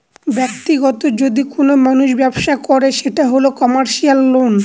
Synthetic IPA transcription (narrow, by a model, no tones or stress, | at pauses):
bɛk̚t̪iɡɔt̪od͡ʑod̪ikonomanuʃbɛbʃakɔɾeʃeʈaɦolokɔmaɾʃialːon